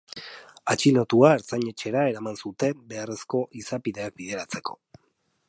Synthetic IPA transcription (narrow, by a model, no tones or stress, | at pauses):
at͡ʃino̞t̪uaeɾt͡saɲe̞t͡ʃe̞ɾae̞ɾamansut̪e̞mbe̞are̞sko̞ʔisapiðe̞akbiðe̞ɾat͡se̞ko̞̥̰